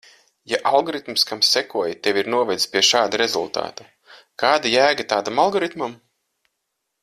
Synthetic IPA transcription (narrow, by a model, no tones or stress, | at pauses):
jaʔalˠɡɔɾit̪mskamsːɛkuɔjt̪eviɾnuɔvɛd̪sʲpʲiɛʃaːd̪uɾezulˠt̪a̰ːt̪u | kaːd̪ajæːɡat̪aːd̪amalˠɡɔɾit̪mam